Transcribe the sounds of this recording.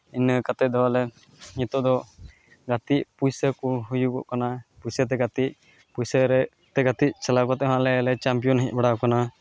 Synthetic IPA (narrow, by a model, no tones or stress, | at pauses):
inəkat̪ɛd̪ɛwalɛ | ɲit̪ɔd̪ɔ | ɡat̪iʔpujsəkuɦujukɔ̰ʔkanapujsət̪̬ɛɡat̪i | pujsəɾɛ | t̪ɛɡat̪iʔ̚t͡ʃalakɔt̪ɛʔɦaʔlɛlɛt͡ʃampijɔnɦit̪̚ˀbaɽakana